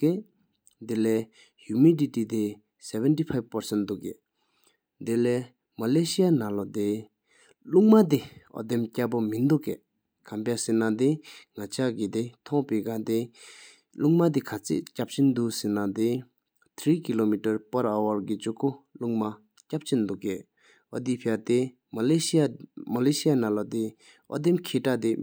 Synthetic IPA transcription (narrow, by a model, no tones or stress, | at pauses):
ke | d̪ele | humiditit̪e | sɛvɛntipʰajbpəɹsɛnd̪uʔke | d̪ele | maleɕianãlɔd̪e | luŋmat̪iɔ̰d̪emcapomind̪oʔke | kʰampjasinad̪eŋat͡ɕʰakid̪et̪ʰɔŋpiɡad̪e | luŋmad̪̬ikʰat͡sḛʔcap̚t͡ɕʰend̪uʔsinad̪e | t̪ʰɹiːkilomitəɹpaɹawaɹkid͡ʑukoluŋma | cap̚t͡ɕʰend̪ukeʔ | ɔd̪ipʰiat̪e | maleiamaleɕianalɔd̪i | ʔɔ̰d̪emkʰeʈ͡ʂad̪e